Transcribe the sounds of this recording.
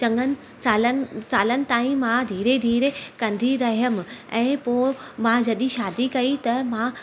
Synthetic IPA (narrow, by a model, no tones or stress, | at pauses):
t͡ɕɐ̃ŋɡənɪ̆ | saːlən̆saːlənɪ̆t̪aːĩmãd̪ʱiːɾed̪ʱiːɾekɐ̃nd̪ʱiɾɐɦijəmɪ̆ɛ̃ːpoːmãd͡ʑɐɗ̪iʃaːd̪ikɐit̪ɐmã